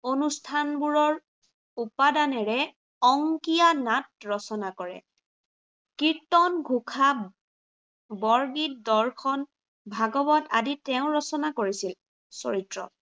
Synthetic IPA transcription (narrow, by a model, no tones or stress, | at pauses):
onustʰanbuɹɔɹ | upadanɛɹɛ | ɔŋkijanat̚ɹɔsɔnakɔɹɛ̰ | kiɹtɔnɡʱukʰa | bɔɹɡit̚dɔɹkʰɔn | bʱaɡɔbɔta̰ditɛʊ̃ɹɔsɔnakoɹisil | so̰ɹitɹɔ̰